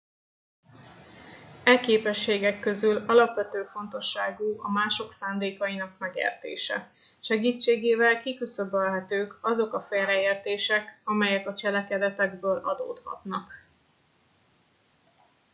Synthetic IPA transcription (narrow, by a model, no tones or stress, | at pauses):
ɛkeːpɛʃːeːɡɛkːø̞zylɒlɒpʋɛt̪øːfo̞nt̪o̞ʃːaːɡuːʔɒmaːʃo̞ksaːnd̪eːkɒinɒkmɛɡḛːrt̪ḛːʃɛ̰ | ʃɛɡiːt͡ʃːeːɡeːvɛlkikysøbɛlɦɛt̪øːkɒzo̞kɒfeːrɛeːrt̪eːʃɛkɒmɛjɛkɒt͡ʃɛlɛkɛd̪ɛt̪ɛɡbøːlʔɒ̰d̪o̰ːt̪hɒ̰t̪nɒk